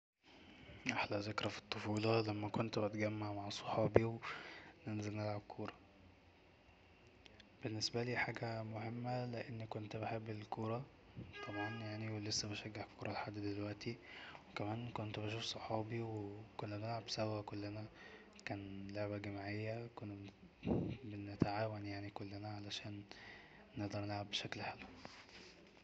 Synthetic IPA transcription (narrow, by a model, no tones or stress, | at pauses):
ʔaħlæzekɾˤɑfi̥t̪ˤːofuːlɑlæmːækont̪bæt̪ɡæmːaʕmaʕsˤo̥ħɑːbiwenenzelnelʕabkʰoːɾˤɑ | b̥enːesbæliːħaːɡæmohemːæleʔenːikont̪beħebːelkoːɾˤɑ | t̪ˤʰɑmæːnjaʕniwelesːæbæʃæɡːeħkːoːɾˤɑlħad̪ːd̪elwæʔt̪iwekæmæːnkont̪bæʃ̬uːfsˤoħɑːbiwekonːænelʕabsæwːækolːenæ | kæːnloʕbæɡæmaʕejːækon | benet̪aʕaːwænjaʕnikolːænæʕalæʃæːnː | eʔd̪ˤɑɾˤnelʕabːeʃæklħelw